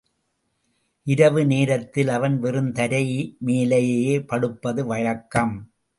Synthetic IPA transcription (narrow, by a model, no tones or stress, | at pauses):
ʔɪɾɐʋɯneːɾɐt̪ːɪlɐʋɐnʋɛrɯnt̪ɐɾɐjmeːlɐjeːjeːpɐɽɯpːɐðɯʋɐɻɐkːɐm